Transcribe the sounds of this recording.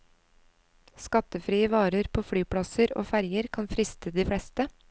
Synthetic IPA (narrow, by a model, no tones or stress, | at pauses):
skɑt̪əfɾiːəʋɑːɾəɾpʰoːfɽyːpɽɑsəɾo̰ːfæɾjəɾkʰɑnfɾɪst̪ʰəd̪iːfɽɛst̪ə